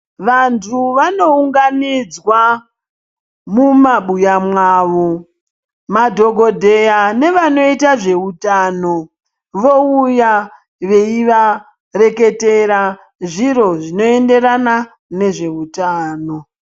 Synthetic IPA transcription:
ʋantʰuʋano̞uŋɡanid͡zwa | mumaɓujamwaːʋo | madʱo̞ɡʱo̞dʱe̞jane̞ʋano̞itaʐe̞utaːno̞ | ʋo̞uja | ʋe̞iʋa | re̞ke̞te̞ɾa | ʐiro̞ʐino̞e̞nde̞ɾana | ne̞ʐe̞utaːno̞

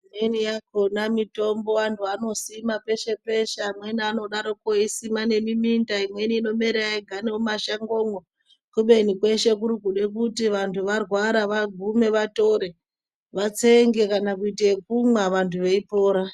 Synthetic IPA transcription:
nenijakonamito̞mbo̞antʰuano̞simape̞ʃe̞pe̞ʃamweniano̞ɗaɾo̞koisimane̞mimindaimwe̞niino̞meɾeaiɡʱaneumaʃaŋɡo̞ŋo | kuɓe̞nikwe̞ʃe̞k̬uɾukuɗe̞k̬utiʋantʰuʋarwaɾaʋaɡʱume̞ʋato̞ɾe̞ | ʋat͡seŋɡe̞kanakuitek̚umwaʋantʰuʋe̞ipo̞ːɾa

